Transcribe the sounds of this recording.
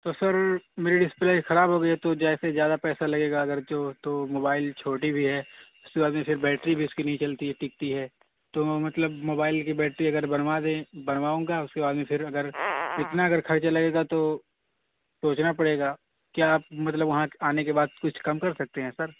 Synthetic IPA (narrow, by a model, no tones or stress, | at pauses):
t̪osɐɾmeːɾiɖɪsɪ̥plaːɪxɐɾaːbɦoːɡɐiɦɛt̪od͡ʒɛːsezjaːd̪apɛːsalɐɡeːɡaɐɡəɾd͡ʒoːt̪oːmoːbaːɪlt͡ʃʰoːʈibʱiɦɛːʊskebaːd̪mẽpɪɾbɛːʈɾibʱiʊskinɐɦĩt͡ʃɐlt̪iɦɛʈɪk̚t̪iɦɛː | t̪omɐt̪ləbmoːbaːɪlkibɛːʈɾiɐɡəɾbɐnʋad̪ẽbɐnʋaːũːŋɡaʊskebaːd̪mẽfʰɪɾɐɡəɾɪt̪naɐɡəɾkʰɐɾt͡ʃalɐɡeːɡat̪o | soːt͡ʃnapɐɽeːɡaː | kiaːp̚mɐt̪̬ləbʋɐɦãaːnekebaːd̪̚kʊt͡ʃʰkɐmkɐɾsɐk̚t̪eɦɛ̃ːsɐɾ